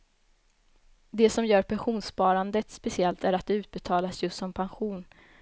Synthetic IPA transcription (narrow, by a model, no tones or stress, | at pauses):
d̪ɛsɔmjœːɾpʰɛnɧuːnspɑːɾand̪ət̪spɛsɪɛlt̪æɾat̪̚d̪ɛʉ̟ːt̪̚bɛt̪ʰɑːlasjɵst̪sɔmpʰanɧuːn